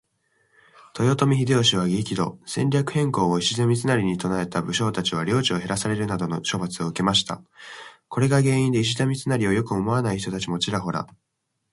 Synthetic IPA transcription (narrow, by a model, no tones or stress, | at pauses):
t̪o̞jo̞t̪o̞mʲiçid̪e̞oɕiβ̞aɡʲikʲid̪o̞̰sẽ̞nʲɾʲakɯ̟̥hẽ̞ŋko̞ːoiɕizamʲit͡sɨnaɾʲiɲ̟it̪o̞nae̞t̪abɯ̟ɕo̞ːt̪at͡ɕiβ̞aɾʲo̞ːt͡ɕio̞ɦe̞ɾasaɾe̞ɾɯ̟nad̪o̞noɕo̞bat͡sɨo̞ɯ̟ke̞maɕi̥t̪a̰ | ko̞ɾe̞ɡaɡẽ̞ːĩnd̪e̞iɕ̬izamʲit͡sɨnaɾʲio̞jo̞kɯo̞mo̞anaiçit̪ot̪at͡ɕimo̞t͡ɕiɾaɦo̞ɾa̰